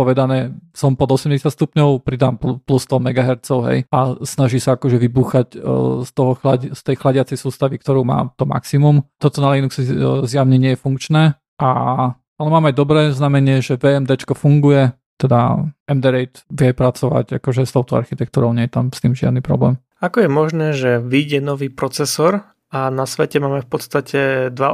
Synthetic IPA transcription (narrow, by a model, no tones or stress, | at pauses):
pɔʋɛd̪anɛːsɔmpɔd̪ɔsɛmɟɛsjat̪st̪upɲɔʊpɾid̪aːmpuplust̪ɔmɛɡaɦɛɾt̪t͡sɔʊɦɛ̰jasnaʒisaakɔʒɛʋibuːxacst̪ɔɦɔxlaɟst̪ɛjxlaɟɪat͡sɛjsuːst̪aʋik̚t̪ɔɾuːma̰ːt̪ɔma̰ksimumt̪ɔt̪ɔnalinuksizjaʊɲɛɲɪɛjɛfuŋkt͡ʃnɛː | ʔa | alɛmaːmajd̪ɔbɾɛːznamɛɲɪɛʒɛʋɛɛmd̪ɛt͡ʃkɔfuŋɡujɛ | t̪ɛd̪aʔɛmd̪ɛɾɛjt̪ʋɪɛpɾat͡sɔʋa̰ca̰kɔʒɛst̪ɔʊt̪ɔa̰ɾxit̪ɛk̚t̪uːɾɔʊɲɪɛjɛt̪amst̪iːmʒɪa̰d̪nipɾɔ̰blɛ̰ːm | akɔjɛmɔʒnɛːʒɛʋiɟɛnɔʋiːpɾɔt͡sɛsɔɾ | anasʋɛcɛmaːmɛfpɔt̪st̪acʰɛd̪ʋa